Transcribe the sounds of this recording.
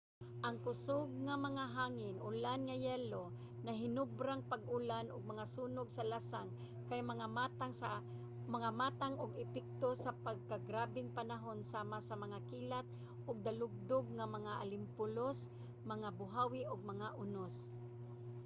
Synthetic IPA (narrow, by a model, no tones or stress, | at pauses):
ʔɐŋkʊsoɡ̚ŋamɐŋaɦaːŋɪnʔʊlanŋɐjɛːlo | nɐɦɪnʊbɾaŋpaɡʔʊlanʔʊɡ̚mɐŋasuːnʊɡsɐlasaŋ | kajmɐŋamat̪aŋ | mɐŋamaːt̪aŋʊɡɪpɛk̚t̪osapaɡ̚kaɡɾaːbɪŋpanaɦonsaːmasɐmɐŋakiːlat̪̚ | ʔʊɡ̚d̪alʊɡ̚d̪ʊɡ̚ŋamɐŋaʔa̰lɪmpʊlos | mɐŋabʊɦawɪʔʊɡ̚mɐŋaʔʊnos